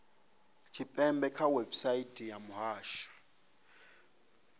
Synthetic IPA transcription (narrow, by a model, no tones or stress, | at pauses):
t͡ʃʰipʼɛmbɛkʰawɛbsaitʰʼijamuɦaːʃḁ